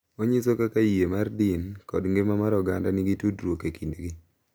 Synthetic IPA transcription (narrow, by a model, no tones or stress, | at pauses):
oɲisokakaiemardɪnkɔdŋɡemamaɾɔɡandanɪɡitudɾwokekindɡi